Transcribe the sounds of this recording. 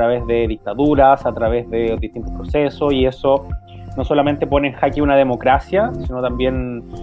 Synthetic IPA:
ɾaβezðeðik̚t̪aðuɾasat̪ɾaβezðeðit̪int̪o̥pɾosesosie̞so | no̞so̞lame̞nt̪e̞po̞neːnxakiunaðe̞mo̞kɾasjasinot̪ambje̞n

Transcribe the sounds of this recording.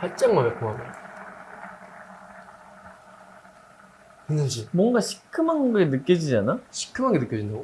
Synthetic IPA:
paɭt͡ɕ͈aŋmamekoame | kɯnɯnd͡ʑimwʌŋɡaɕʰi̥kʰɯmaŋɡɯenɯk͈ʌd͡ʑid͡ʑanaɕʰi̥k͈ʰːɯmaŋɡenɯk͈jʌd͡ʑind̪aɡo

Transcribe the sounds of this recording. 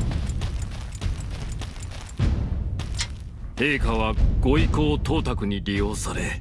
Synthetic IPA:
he̞ːkaβaɡ̥o̞iko̞ːt̪o̞ːt̪akɯ̟ɲ̟iɾʲijo̞ːsaɾe

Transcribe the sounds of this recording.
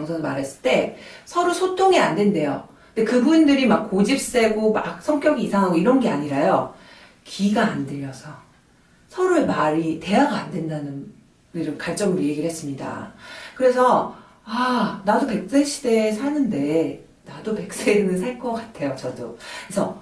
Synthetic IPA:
ʌŋsʰʌnɯmaɾɦes͈ɯ̥ɭt͈e̞sʰʌɾusʰotʰoŋiandwe̞nde̞jo | nde̞kɯbuindɯɾimak̚k͈ːod͡ʑip̚s͈e̞ɡoma̰k̚sʰʌŋk͈jʌɡiːsʰaŋɦaɡoiɾʌnɡeaɲiɾajo | kiɡaːndɯʎːʌsʰʌ | sʰʌɾɯɭmaɾite̞aɡaandwe̞ndanɯn | ɯɾɯnkaɭt͡ɕ͈ʌmɯɾje̞ɡiɾɭhes͈ɯmɲida̰kɯɾe̞s̬ʰʌ | anadope̞k̚s͈eɕʰi̥de̞sʰanɯnde̞ | nadope̞k̚s͈eɾinɯsʰaɭk͈ʌk͈atʰe̞jot͡ɕʌdokesʰʌ

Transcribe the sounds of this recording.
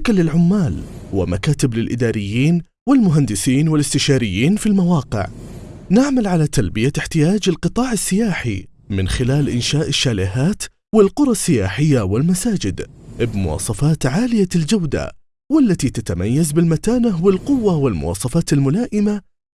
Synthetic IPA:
akalɪlʕʊmːaːlwɪ̰makaːt̪ɪblɪlʔɪd̪aːɾɪjːiːn | wɪlmʊɦand̪ɪsiːnwɪlɪst̪ɪʃaːɾɪjːiːnfilmawɑːqɪ̰ʕnɪʕmalʕalat̪albɪjaɪħt̪ɪjaːd͡ʒalqɨt̪ˤɑːʕɪsːɪjaːħḭ | mɪnxɪlaːlʔɪnʃaːʔɪʃːaːlɪɦaːt̪ | wɪlqʊɾˤɑsːɪjaːħɪjːawɪlmasaːd͡ʒɪd̪bmʊwɑ̰ːsˤɑfɑːt̪ʕaːlɪjald͡ʒawd̪a̰ | wɪlːat̪it̪at̪amajːazbɪlmat̪aːnawɪlqʊwːawɪlmʊ̰wɑ̰ːsˤɑfɑːt̪ɪlmʊlaːʔɪma

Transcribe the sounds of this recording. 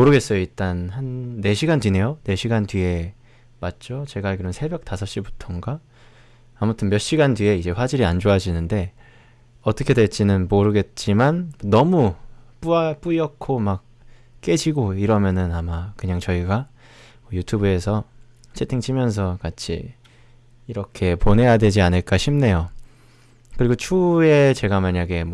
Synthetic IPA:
moɾɯɡe̞s͈ʌjoit͈anhanːe̞ɕʰiɡantɥine̞jone̞ɕʰiɡantɥie̞ | mat̚t͡ɕ͈ot͡ɕe̞ɡaɭkɯɾʌnsʰe̞bjʌk̚t͈asʰʌɕ͈ibu̥tʰoŋɡaː | mutʰɯnmjʌɕ͈iɡantɥie̞id͡ʑe̞ɸwad͡ʑiɾiand͡ʑoad͡ʑinɯnde̞ | ʌt͈ʌkʰe̞dwe̞ɭt͡ɕ͈inɯnmoɾɯɡe̞t̚t͡ɕ͈imannʌmup͈uap͈uʌkʰomak̚ | k͈e̞d͡ʑiɡoiɾʌmjʌnɯnamakɯɲaŋt͡ɕʌiɡa | mʌjutʰubue̞sʰʌ | t͡ɕʰe̞tʰiŋt͡ɕʰimjʌns̬ʰʌkat͡ɕʰḭː | ɾʌkʰe̞pone̞jadwe̞d͡ʑianɯɭk͈aɕʰimne̞jo | kɯɾiɡot͡ɕʰue̞t͡ɕe̞ɡamaɲaɡe̞m

